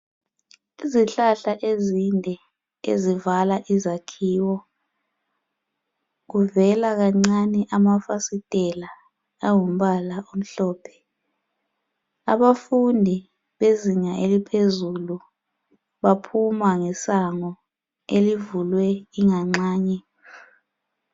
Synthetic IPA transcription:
iziɬaɬaʔezindʱɛ | ḛzivalaʔizakʰiːwɔ | k̬uvɛlak̬aŋ͡ǀanɛʔamafasitʼɛlaː | ŋum̩ɓalaʔom̩ɬɔːpʰɛ̥ | aɓafundʱi | ɓeziŋaʔelipʰezulu | ɓapʰumaŋɛsaŋɔ | elivulwɛiŋaŋ͡ǀaːɲɛ

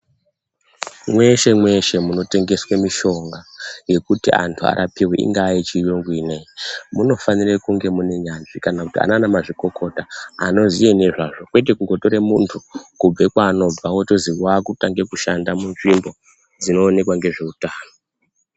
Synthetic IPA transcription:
mwe̞ʃe̞mwe̞ʃe̞muno̞te̞ŋɡe̞swemiʃo̞ŋɡaje̞kutiʔa̰ntʰua̰ɾʔapiwḛḭŋɡaːjit͡ʃijoŋɡwineimuno̞fanirekuŋɡe̞mune̞ɲanʐikanakutia̰nanamaʐiko̞ko̞taːno̞zijeneʐaʐo̞kwe̞t̬ekuŋɡo̞to̞ɾemuntʰukub͡vekwaːno̞b͡vawotoziwakutaŋɡe̞kuʃandamunʐimbo̞ | d͡zino̞ːne̞kwaŋɡe̞ʐe̞utaːno

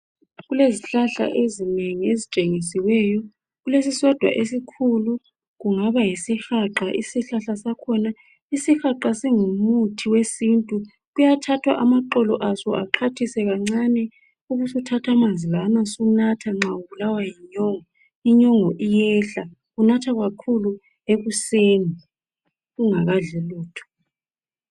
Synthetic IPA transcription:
ɣuleziɬaɬa̰ʔezineŋiezit͡ʃʼeŋisiwɛjɔ | ɣulesisɔd̥ʱwa̰ʔesikʰulu | ɣuŋaβajisixaǃaʔisiɬaɬasakʰɔna | isixaǃasiŋumutʰiwesintʼu | ɣujatʰatʰwa̰ʔamaǃɔlɔʔasɔaǃʰatʰisɛɣaŋ͡ǀanɛ | uɣusutʰatʰamand͡zʱilanasunatʰaŋ͡ǁauβulawajiɲɔŋɔ | iɲɔŋɔʔijɛɬa | ɣunatʰaɣakʰulu | eɣuseːni | ɣuŋaɣaɮɛluːtʰɔ̥

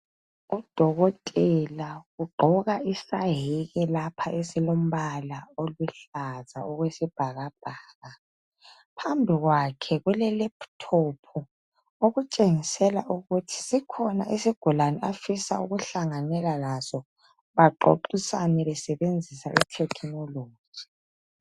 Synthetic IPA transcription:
ud̥ʱɔɣɔtʼɛlaɣuɡ͡ǃʱɔɣaisaɦiɣɛlapʰaʔesilom̩βalaoluɬaza̰ɔɣwesib̥ʱaɣab̥ʱaːɣa | pʰambʱiɣwakʰɛɣwɛlɛlɛpʰtʰopʰu | oɣut͡ʃʼeŋisɛlaʔuɣutʰi̥sikʰɔna̰ʔisiɡ̥ʱulanɛafisa̰uɣuɬaŋanɛlalasɔ | βaǃo̰ǃisa̰nɛβɛsɛβend͡zʱisa̰ʔitʰɛkʰnɔlo̥ːd͡ʒ̥ʱi̥

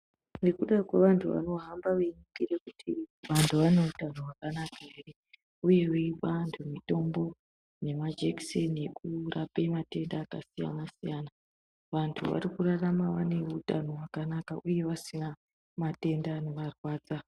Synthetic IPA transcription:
ne̞kuɗakweʋantʰuʋa̰no̞ɦambaʋeɲikireku̥tʰiʋantʰuʋane̞utanowakanakae̞re̞ | uje̞weʋantʰumito̞mbo̞ | ne̞mad͡ʒeksenekurʔapemate̞ndaːka̰sija̰nasijaːna | ʋantʰṵʋa̰rikuraramaʋane̞utano̞ɦwakanakaʔuje̞ʋasina | mate̞ndane̞ʋarwaːd͡za

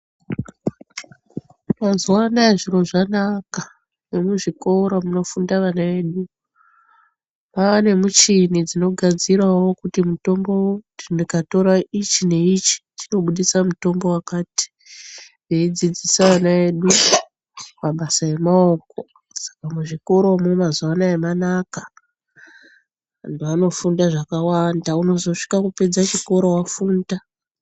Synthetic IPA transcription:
mazuwanaeʐiro̞ʐanaka | nemuʐikouɾamuno̞fundaʋanae̞ːɗu | paʋane̞mut͡ʃinid͡zino̞ɡʱad͡zirawo̞kutimuto̞mbo̞tinikato̞ɾaʔit͡ʃine̞it͡ʃi̥t͡ʃino̞ɓuɗisamuto̞mbo̞wakaːti̥ | ʋeid͡zid͡zisawanae̞ɗu | maɓasaje̞mao̞ko̞ | sḁkameʐiko̞ɾo̞momazuwanaemanakḁ | ndoano̞fundaʐakawandauno̞zo̞ʂi̥kakupe̞d͡zat͡ʃiko̞ɾo̞wafuːnda

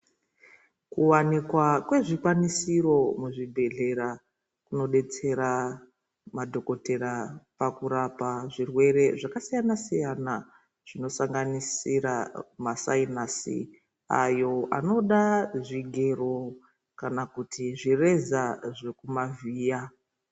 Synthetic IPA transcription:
kuwanikwakwe̞ʐikwanisiro̞muʐibʱe̞ɮe̞ɾa | kuno̞ɗe̞t͡se̞ɾa | madʱo̞ko̞te̞ɾapakuɾapaʐirwe̞ɾe̞ʐakasijanasijana | ʐ̥ino̞saŋɡanisiɾa̰masainasḭ | a̰jo̞ʔa̰no̞ɗaʐiɡʱe̞ro̞ | kanakutʰiʐire̞zaʐe̞kumaviːja

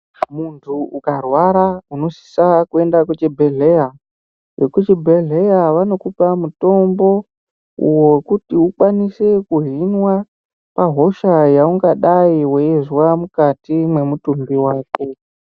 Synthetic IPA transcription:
muntʰuukarwaɾauno̞si̥sakue̞ndakut͡ʃebʱeɮea | jekut͡ʃibʱeɮe̞jaʋano̞kupamuto̞mbo̞ | ṵwokutiukwanise̞kuɦinwa | paɦo̞ʃajauŋɡaɗaiweezwamukatimwe̞mutumbiwaːke

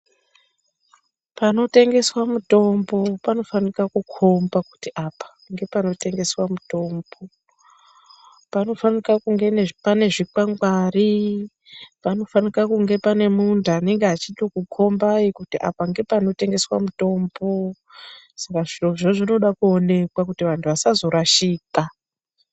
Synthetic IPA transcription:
pano̞te̞ŋɡe̞swamuto̞mbo̞pano̞fanikakukʰo̞mbaku̥tiʔapḁ | ŋɡe̞pano̞te̞ŋɡe̞swamuto̞ːmbo̞ | pano̞fanikakuŋɡe̞nepane̞ʐikwaŋɡwari | pano̞fanikakuŋɡe̞pane̞mundʱuane̞ŋɡeɦat͡ʃitokukʰo̞mbaikutiʔa̰paŋɡe̞pano̞te̞ŋɡe̞swa̰muto̞ːmbo | sakaʐioʐoʐino̞ɗakuone̞kwakutiʋantʰuʋasazo̞ɾaʃiːka

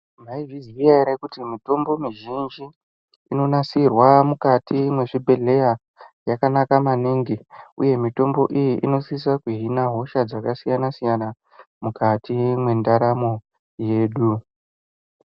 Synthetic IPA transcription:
maivizijaiɾekutimito̞mbo̞miʒind͡ʒiː | no̞nasirwamukatʰimwe̞ʐibʱe̞ɮe̞ja | jakanakamaniŋɡiṵje̞mito̞mbo̞ʔijiʔino̞sis̬akuɦinaɦo̞ʃad͡zakasijanasijana | mukatimwe̞ndaɾamo̞ | je̞ːɗu

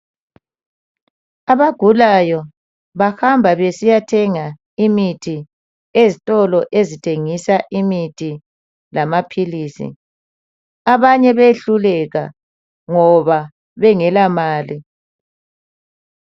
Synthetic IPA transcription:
aβaɡ̥ʱulajɔ | βahambʱaβesijatʰɛŋa | imitʰi | ezitʼɔlɔʔezitʰeŋisaʔimitʰi | lamapʰiliːsḭ | aβaɲɛβeɬulɛɣa̰ | ŋɔβa | βɛŋɛlamaːli

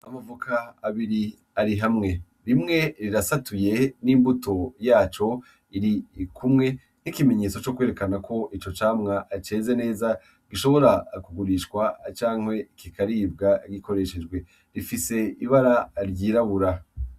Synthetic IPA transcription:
amavukʰaːβiɾi | aɾiɦamŋe̞ | ɾimŋe̞ɾiɾasatuje̞niːmbutʰo̞jaːt͡ʃo̞ | iɾikʰumŋe̞ | n̥ikime̞ɲe̞ːt͡so̞t͡ʃo̞kwe̞ɾe̞kanakʰo̞ʔit͡ʃo̞t͡ʃaːmŋaʔt͡ʃe̞ːzene̞ːza | ɡiʃo̞βo̞ɾakuɡuɾiʃkwat͡ʃaːŋhwe̞kikaɾib̚ɡaɡiko̞ɾe̞ʃe̞d͡ʒɡwe̞ | ɾifise̞iβaɾaɾɟiːɾaβuɾa

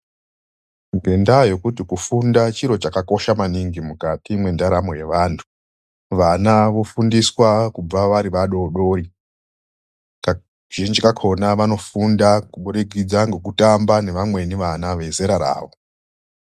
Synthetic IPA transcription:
ŋɡe̞ndajo̞kutikufundat͡ʃiɾo̞t͡ʃakako̞ʃamaniŋɡimukatimwe̞ndaɾamoje̞ʋaːntʰu̥ | ʋanaʋo̞fundiswakub͡vaʋaɾiʋaɗo̞ːɗo̞ːɾi | ka | ʒ̥ind͡ʒikakʰo̞naʋano̞fundakuɓuɾeɡʱid͡zaŋɡe̞k̬utambane̞ʋamwe̞niʋanaʋe̞zeɾaɾa̰ːʋo

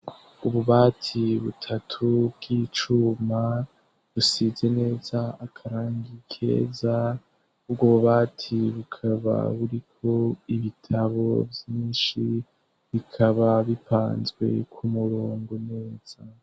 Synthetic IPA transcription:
uβuβatʰiβutʰatʰubɡit͡ʃuma | βusize̞ne̞ːzaːkʰaɾaːŋɡikʰe̞̰ːza | ubɡoβuβaːtʰiβukʰaβa̰βuɾikʰo̞iβitʰaβo̞̰vjiːnʃi | βikʰaβaβipa̰ːnzɡwe̞̰kʰumuɾoːŋɡone̞ːz̥a

